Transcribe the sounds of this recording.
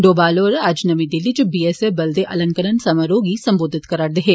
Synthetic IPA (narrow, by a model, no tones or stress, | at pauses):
ɖoːbaːlɔːɾaːd͡ʒnɐmid̪ɪlid͡ʒɐbiːesebɐld̪eʔɐlə̃ŋkəɾənsɐməɾoːɡisɐ̃mboːd̪ʱɪt̪kɐɾaːɽd̪eɦeː